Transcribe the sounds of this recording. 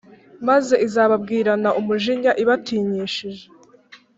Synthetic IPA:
maze̞izaːβab̚ɡiːɾanaʔumuʒiɲaʔiβatiːɲiːʃiʒe

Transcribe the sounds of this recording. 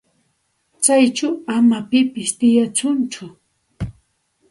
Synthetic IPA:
t͡sajt͡ʃawamapɪpɪst̪ɪjat͡sʊnt͡ʃʊ

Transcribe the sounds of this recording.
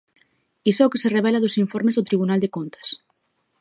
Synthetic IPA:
isookesereβɛlaðosiɱfoɾmezðot̪ɾiβunald̪ekont̪ɐ̥s

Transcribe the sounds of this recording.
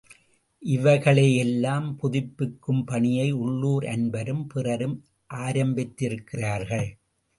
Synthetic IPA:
ʔɪʋɐɪɣɐɭɐjɛlːaːmpʊðɪpːɪkːɯmpɐɳɪjɐɪʊɭːuːɾɐ̰nbɐɾɯmpɪrɐɾɯm | ʔaːɾɐmbɪt̪ːɪɾɯkːɪraːɾɣɐɭ

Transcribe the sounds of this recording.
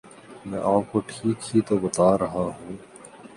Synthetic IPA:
mɛ̃ːʔaːp̚koʈʰiːkhit̪obɐt̪aːɾɐɦaɦũː

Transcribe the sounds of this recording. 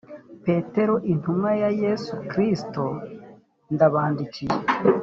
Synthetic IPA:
pe̞te̞ɾoʔin̥umŋajaje̞sukɾisto | ndaβaːndicije

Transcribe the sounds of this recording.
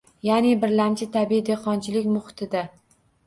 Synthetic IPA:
janɪbɪɾlamt͡ʃʰɪt̪ʰabiid̪eqʰɒnt͡ʃʰɪlɪkʲmʊχɪ̥t̪ʰɪd̪a

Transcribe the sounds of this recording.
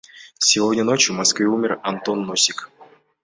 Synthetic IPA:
sʲɪvodʲnʲəno̞t͡ɕjʊmɐskvʲɨumʲɪrɐnt̪o̞nːosʲɪk

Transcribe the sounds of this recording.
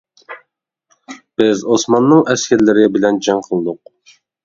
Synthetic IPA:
b̥ɪzosmɑnːɨŋɛskʲɛɾlɪɾɪbɪlɛnd͡ʒɑŋqʰəlˠd̪ʊq̚

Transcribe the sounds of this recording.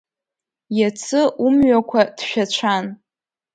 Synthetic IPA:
jat͡sʰɨʔumɥakʷʰad̥ʃᶣat͡ʃʷʰan

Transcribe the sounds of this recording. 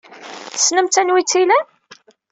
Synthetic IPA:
θə̥snəmt̪ːænwit͡sːilæ

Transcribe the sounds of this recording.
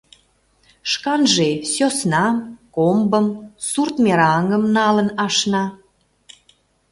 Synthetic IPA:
ʃkɑnʒesosnɑmkombəmsurt̪mʲeɾɑŋəmnɑlənɑʃnɑ

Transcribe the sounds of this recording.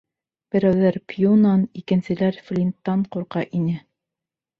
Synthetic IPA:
b̥ɘ̆ɾæwðæɾpʰjunɑnikɘ̆nsɘ̆læɾflʲint̪ːɑɴquɾqɑʔinɘ

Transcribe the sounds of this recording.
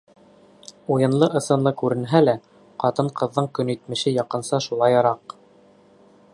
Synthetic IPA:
ujɤ̆nlˠɤʔɤ̆sɤ̆nlˠɤkʉɾɘ̆nɦælæ | qɑt̪ɤɴqɤ̆ðːɤɴkɵ̆nit̪mɘ̆ʃɘjɑqɤ̆nsɑʃulˠɑjɑɾɑq

